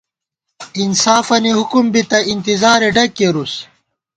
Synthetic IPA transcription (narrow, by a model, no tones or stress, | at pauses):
insaːfɐniɦukumbit̪ɐint̪izaːɾeɖɐkːeɾus